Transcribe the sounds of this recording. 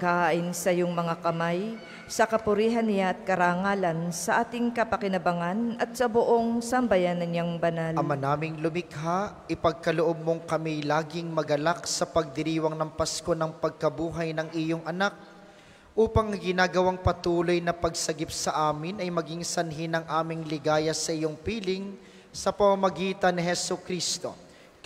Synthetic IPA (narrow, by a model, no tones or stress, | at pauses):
kaʔɪnsɐjoŋmɐŋakɐmaj | sɐkɐpʊɾiːɦɐnːɪjaʔɐt̪̚kɐɾaŋaːlɐnsɐʔaːt̪ɪŋkɐpɐkɪnɐbɐŋanʔɐt̪̚sɐbʊʔo̞ŋsɐmbɐjanɐɲaŋbɐnalɐmanaːmɪŋlʊmɪkhaʔʔɪpɐɡ̚kɐloʔob̚moŋkɐmilaːɡɪŋmɐɡɐlaksɐpɐɡ̚d̪ɪɾiːwɐŋnɐŋpɐsko̞nɐŋpɐɡ̚kɐbuːɦɐjnɐŋʔɪjoŋʔɐnak̚ | ʔuːpɐŋɐŋɡɪnaːɡɐwaŋpɐt̪uːlo̞jnɐpɐɡsɐɡip̚sɐʔaːmɪnɐjmɐɡiŋsɐnɦinɐŋʔaːmɪŋlɪɡaːjɐsɐʔɪjo̞ŋpiːlɪŋ | sɐpɐmamɐɡiːt̪ɐnːɪɦɛsʊkɾist̪o̞